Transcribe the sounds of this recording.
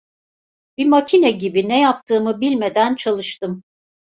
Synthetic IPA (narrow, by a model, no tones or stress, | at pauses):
bimacʰinɛɟibinɛjap̚t̪ʰɯːmɯbilʲme̞d̪ænt͡ʃʰalˠɯʃt̪ɯm